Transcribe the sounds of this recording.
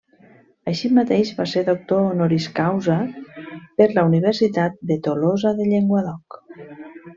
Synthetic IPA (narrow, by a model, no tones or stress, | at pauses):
əʃimat̪eʒβaseɾðok̚t̪oːnoɾiskawzə | pəɾləuniβ̞əɾsit̪at̪̚d̪et̪olozəðəʎeŋɡwaðɔk